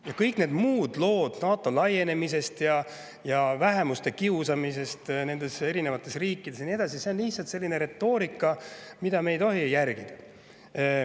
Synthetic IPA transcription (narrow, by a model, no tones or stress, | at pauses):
jɑkɤjkːˑne̞ːd̪muːd̪̥lo̞ːd̪̥nɑːt̪ːˑolɑje̞ne̞mise̞st̪jɑ | jɑvæɦe̞must̪e̞kiusɑmise̞st̪ne̞nd̪e̞se̞ɾine̞vɑt̪ːˑe̞sriːkːˑid̪esjɑnie̞d̪ɑs̬ise̞o̞nliht̪sɑlt̪se̞lːine̞ɾe̞t̪ːˑo̞ːɾikːˑɑmid̪ɑme̞jt̪o̞ɦijæɾɡ̥id̪̥ɑ̥